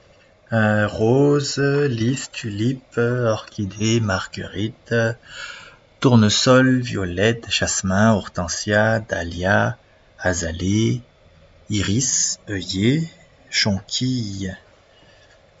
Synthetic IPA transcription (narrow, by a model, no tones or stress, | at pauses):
ʁozlist̪ylipɔʁkʲʰid̪emaʁɡə̰ʁit̪ | uʁnəsɔlvjɔlɛt̪ʃasmɛ̃ɔʁt̪ɑ̃sjad̪alja | azale | iʁisœje | ʃɑ̃kʲʰij